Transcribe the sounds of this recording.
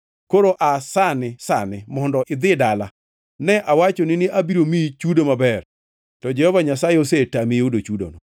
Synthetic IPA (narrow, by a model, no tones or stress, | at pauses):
koɾoʔasanɪsanɪmɔndɔʔɪd̪ɪdala | nɛʔawat͡ʃonɪnɪʔabiɾomit͡ʃudomabɛr | tɔd͡ʒɛhɔvaɲasajeosetamiodot͡ʃudo̰no